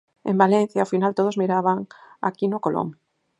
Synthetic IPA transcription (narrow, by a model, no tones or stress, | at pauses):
ḛ̃mbalẽn̟θjaofinalt̪oð̞ozmiɾaβaŋa̰kinokolʔo̰m